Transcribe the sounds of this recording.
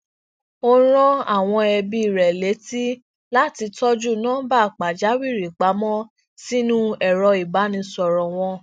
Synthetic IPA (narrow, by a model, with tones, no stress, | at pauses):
o˦ɾ̃ɔ̃˦a˦˨w̃ɔ̃˧ɛ˧bi˧i˨ɾɛ˨le˨˦ti˦ | la˦ti˧tɔ˦d͡ʒu˦˨nãː˦ba˦˨k͡pa˨d͡ʒa˨˦wi˦˨ɾi˨k͡pa˨˦mɔ̃˦ | si˦nũ˦ɛ˨ɾɔ˧i˨ba˨˦nĩ˧sɔ˨ɾɔ˨w̃ɔ̃˧